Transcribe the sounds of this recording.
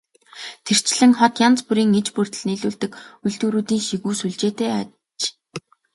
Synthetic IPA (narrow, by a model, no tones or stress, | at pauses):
t̪ʰer̥t͡ɕɮɘ̆ŋχɔt̪jant͡spuɾiːŋet͡ɕpur̥t̪̆ɮniːɮuːɮt̪ɘ̆kuɮt̪uːɾuːt̪iːŋʃiɣuːsuɮt͡ɕeːt̪eːa | t͡ɕ